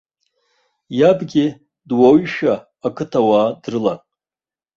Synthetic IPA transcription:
jabɡʲɪ | dwaɥʃaː | kʰɨtʰawaːdrɨla

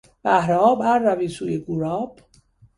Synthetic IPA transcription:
b̥æhɾɒːbæɾːæviːsuːjeɡuɾɒːb̥

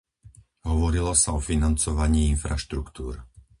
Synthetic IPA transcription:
ɦɔʋɔɾilɔsaɔfinant͡sɔʋaɲiːinfɾaʃt̪ɾukt̪uːɾ

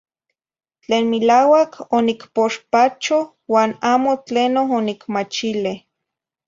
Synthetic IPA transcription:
t͡ɬeːnmilaːwakʰonikpoʃpat͡ʃo | waːnaːmot͡ɬeːnoɦonikmat͡ʃileh

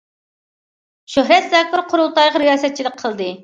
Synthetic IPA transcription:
ʃøɦɾɛt̪zɛːkʲːɪɾqʰʊɾulˠt̪ɑjʁɑɾɪjɑːsɛt̪̚t͡ʃʰid̪ɨk̚qʰːəlˠd̪ɨ

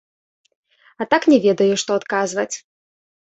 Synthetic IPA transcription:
ɐt̪aknʲɛvʲɛd̪ɐjuʂt̪ɔat̪kazvɐt͡sʲ

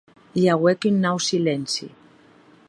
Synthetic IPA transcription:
jaɣwekynːawsilensḭ

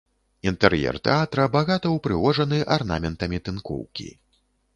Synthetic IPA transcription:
int̪ɛrjɛ̰rt̪ɛ̰at̪ɾɐbaɣat̪ɐwpɾɨɣɔʐɐnɨʔarna̰mʲɛnt̪ɐmʲit̪ɨnkɔ̰wkʲḭ

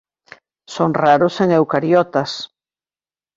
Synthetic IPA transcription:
soŋraɾʊseŋewkaɾjɔt̪ɐs

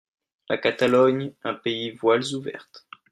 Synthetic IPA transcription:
lakat̪alɔɲɛ̃peivwalzuvɛ̰ʁt̪

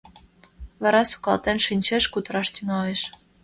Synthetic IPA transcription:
βæ̆ɾɑsu̥kɑlˠt̪enʃinʲt͡ɕeʃkut̪ə̆ɾɑʃt̪yŋɑeʃ

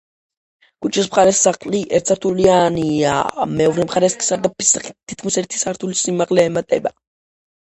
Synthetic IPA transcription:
kʼut͡ʃʰʼispχaɾɛsːaqʼliʔɛɾt̪sʰaɾt̪ʰuliania̰mɛɔvɾɛmpχaɾɛskʰi̥saɾd̪apisait̪ʰːi̥t̪̚kʰmisɛɾt̪ʰi̥saɾt̪ʰulisimaqʼlɛːmat̪ʼɛ̰ba

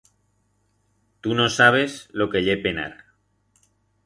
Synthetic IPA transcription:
t̪uno̞saβ̞e̞zlo̞keʎepe̞na̰ɾ

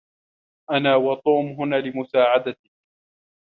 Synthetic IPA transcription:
ʔanaːwɑt̪ˤuːmɦʊnaːlɪmʊsaːʕad̪at̪ɪ

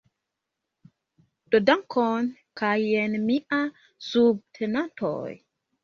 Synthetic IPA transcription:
d̥odaŋkʰɔn | kʰajenmiʔa | sub̚tʰenanto̰j

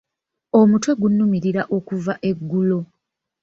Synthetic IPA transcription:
o̞mutwe̞ɡunːumiɾiɾaʔo̞kuvaʔe̞ɡːulo

